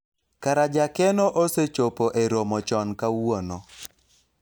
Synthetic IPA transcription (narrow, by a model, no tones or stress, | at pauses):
kaɾad͡ʒakɛnɔʔoset͡ʃopoʔeɾomɔt͡ʃɔnkawonɔ